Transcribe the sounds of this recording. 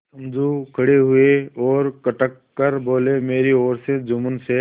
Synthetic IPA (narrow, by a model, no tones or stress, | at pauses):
ɐ̃nd͡ʒukʰɐɽeɦʊeɔːɾkɐʈəkːɐɾboːlemeːɾiɔːɾsed͡ʒʊmʊnse